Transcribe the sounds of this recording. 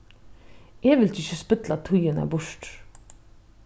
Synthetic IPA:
eːʋɪlt̪ʰɪçəspʏt̪lɑt̪ʰʊjənæ̰ːbʊʂʈ

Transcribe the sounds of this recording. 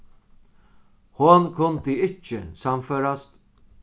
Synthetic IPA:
hʊnkʰʊnt̪iɪt͡ʃɪsamføːɾast̪

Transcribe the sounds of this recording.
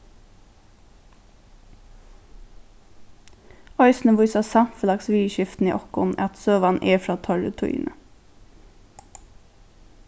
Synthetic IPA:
œʏsn̩əʋʊʏsɑsɑfəlɑksʋiːʃɪft̪n̩ḭʔɔkʊ̰nʔɛt̪søːʋɑnʔeːfɾɑːt̪ʰɔɹə̰t̪ʰʊḭːnə

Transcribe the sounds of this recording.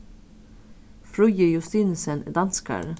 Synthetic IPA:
fɾʊjəjʉst̪iːnsənd̪ɑnskə̰ɾ

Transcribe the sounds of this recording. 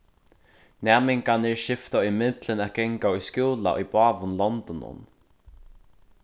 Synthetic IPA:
nɛːmɪŋkanɛɹʃɪft̪aʏmɪt̪lɪnæːt̪̚ɡɛŋkaʊjskjuːla̰ʔʏjbɑːʋʊnlɔnt̪ɔnʊ̰n

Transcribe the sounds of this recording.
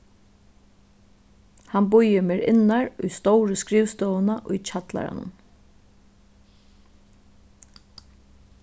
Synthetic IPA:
hanbʊjəmeːɾɪ̰nːaɹʊjst̪ɔwɾəskɾiːʋst̪ɔːwənaʔʊjt͡ʃʰat̪la̰ɾa̰nʊ̰n

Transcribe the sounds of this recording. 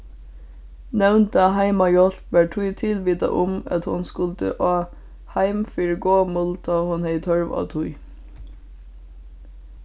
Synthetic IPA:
nɛʋnt̪əɑhæɪmɑjɔɬpbæʈʰʊʏt̪ʰɪlʋiːt̪ɑ̰ʔʊmɑ̰t̪hʊnskʉlt̪ə̰ʔoː | hæɪmfɪɹɡoːmʊlt̪ʰɑːhʉnheɪt̪ʰhœɹʋɑ̰t̪ʰʊʏ

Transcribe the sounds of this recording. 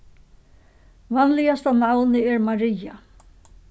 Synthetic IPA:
vanlɪjast̪avnawnɪɛɹmaɾɪja

